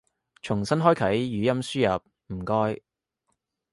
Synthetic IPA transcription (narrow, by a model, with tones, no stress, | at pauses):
t͡ʃʰʊ˨˩ŋsɐ˥nɦɔː˥jkʰɐ˨˥jːyː˨˧˥jɐ˥msyː˥jɐ˨p̚ | m̩˨˩kɔː˥j